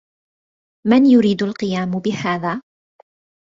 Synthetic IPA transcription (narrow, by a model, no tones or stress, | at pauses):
manjʊɾiːd̪alqɨjaːmbɪhaːðaː